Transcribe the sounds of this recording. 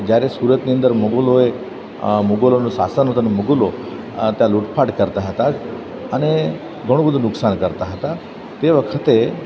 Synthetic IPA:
d͡ʒjaɾesuɾət̪niə̃nd̪əɾmuɡoloe | muɡolonosa̰sənɦot̪anemuɡulo | t̪jaluʈpʰaɽkəɾt̪aɦət̪a | əne | ɡʱəɽ̃obʱəd̪ʱunʊksankəɾt̪aɦət̪a | t̪eʋəkʰət̪e

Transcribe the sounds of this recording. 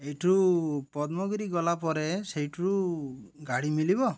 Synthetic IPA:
ejʈʰuɾupɔd̪mɔɡɾiɡɔlapɔɾesejʈʰuɾuɡaɽimilibɔ

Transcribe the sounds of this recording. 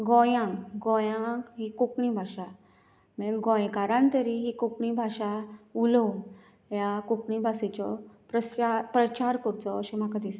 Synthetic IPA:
ɡɔjãŋkɡɔjãŋkɦikokɳibʱaɕa | mɛɡɔ̃jkaɾãnt̪əɾiɦikokɳibʱaɕaulũn | jakukɳibʱasit͡ɕɔpɾəapɾət͡ɕaɾkəɾut͡sɔəɕem̤akad̪is

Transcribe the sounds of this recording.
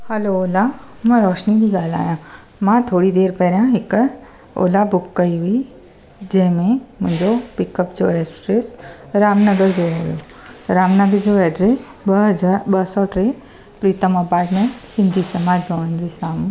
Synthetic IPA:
həlooːla | mə̃ɾɔːʃnid̪iɡaːla̰ːjã | mãt̪ʰoːɽid̪eːɾpəɾjãɦɪk | o̰labʊkːəiɦui | d͡ʒɛ̃ːmẽmʊ̃ɲd͡ʒopikəpd͡ʒoɾesʈɾesɾaːmnəɡəɾd͡ʑoɦojo | ɾaːmnəɡəɾd͡ʒoɛɖɾesəabəɦsɔʈɾe | pɾit̪əmɔpaːɾʈmẽɳʈsɪnd̪ʱiːsəmaːd͡ʒbʱəʋənd̪ɾisaːm

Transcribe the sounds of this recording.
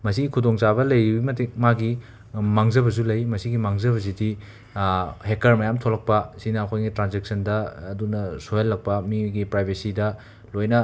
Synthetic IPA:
mɐsiɡikʰudoŋt͡ʃabɐlɐjɾibimɐtikmaɡi | maŋzɐbɐzulɐjmɐsiɡimaŋzɐβɐzidi | hek̚ɐɾmɐjamtʰolɐk̚pɐsinɐːkʰojɡitɾanzeksɐndɐːdunɐsojɐlːɐk̚pɐmiɡipɾajbʱesidɐ | lojnɐ

